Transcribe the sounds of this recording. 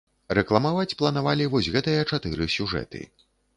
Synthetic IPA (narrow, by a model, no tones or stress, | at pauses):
rɛklˠɐmavat͡sʲplˠɐnavalʲivɔsʲɣɛt̪ɨjɐt͡ʂat̪ɨɾɨsʲuʐɛ̰t̪ɨ̰